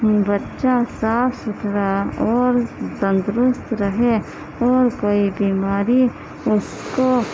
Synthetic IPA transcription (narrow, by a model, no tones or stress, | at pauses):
bətːʃasaːpʰsʊtʰɾaɔːɾd̪ə̃nd̪ɾʊst̪ɾəɦe | ɔːɾkoːibiːmaːɾi | ʊs | ko